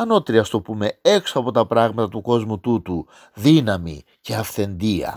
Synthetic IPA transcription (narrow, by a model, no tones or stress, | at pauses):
ɐno̞t̪ɾiɐst̪o̞pume̞e̞ksoɐpo̞t̪ɐpɾɐɣmɐt̪ɐt̪uko̞zmut̪ut̪u | ðinɐmḭ | ce̞ɐfθe̞nd̪iɐ̰